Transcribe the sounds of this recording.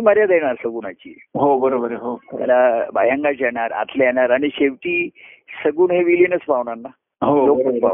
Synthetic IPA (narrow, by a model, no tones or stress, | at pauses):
məɾjad̪eɳ̃aɾsəɡuːnat͡ɕḭː | ɦobəɾobəɾɦot̪a̰laba̰jaŋɡat͡ɕaɽaɾa̰t̪ʰleeɽaɾaɽ̃iɕeʋʈiː | səɡuːɳɦeʋiljənət͡spaʋɳaɾna | ɦoloəspa̰